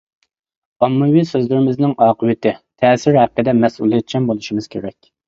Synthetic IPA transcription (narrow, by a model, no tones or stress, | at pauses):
ɑmːɨwisøzlɪɾɪmɪznɪŋɑːqʰəwɪt̪ɪt̪ʰɛːsɪɾhæqːəd̪ɛmɛsulˠijɛt̪̚t͡ʃʰɛmbolˠuʃimɨz̥kʲʰeɾɛkʲ